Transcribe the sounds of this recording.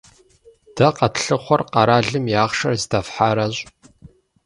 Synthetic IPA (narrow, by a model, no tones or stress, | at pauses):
d̥ɐqɐtʰɬɨχʷɔrqɑɾaːɮɨmjaːχʂɐrzdɐfħaːɾɐɕʼ